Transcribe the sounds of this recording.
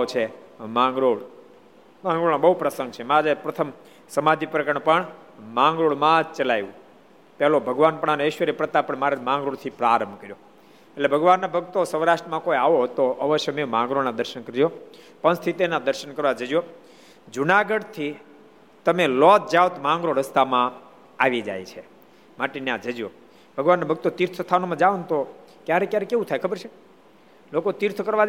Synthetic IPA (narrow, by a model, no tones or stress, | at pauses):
t͡ʃʰemãŋɡɾoɽ | mãŋɡɾoɭãbəɦupɾəsəŋɡ̚t͡ʃʰemãd͡ʒpɾət̪ʰəm | səmad̪ʱipɾəkəɳpəɳmãŋɡɾoɽmãd͡ʒt͡ʃəlajʋũ | pɛɦlobʱəɡʋanpəɳanoeʃʋəɾepɾət̪apəɳmaɾemãŋɡɾoɽt̪ʰipɾaɾəmbʱkəɾjo | eʈlebʱəɡʋanːabʱəɡt̪osəʋɾaʃʈɾəmãkoiaʋoɦt̪oʔəʋəʃjəmemãŋɡɾoɭnad̪əɾʃənkəɾd͡ʒjo | pənst̪ʰit̪enad̪əɾʃənkəɾʋad͡ʒəd͡ʒjo | d͡ʒunaɡəɖt̪ʰi | t̪əmelɔt̪̚d͡ʒaʋt̪mãŋɡɾoɾəst̪amã | aʋid͡ʒa̰jt͡ʃʰe | maʈenjãd͡ʒəd͡ʒo | bʱəɡʋanːabʱəɡt̪ot̪iɾt̪ʰəst̪ʰanomãd͡ʒaʋunt̪o | kjaɾekjaɾekeʋũt̪ʰajkʰəbəɾt͡ʃʰe | lokot̪iɾt̪ʰkəɾʋad͡ʒ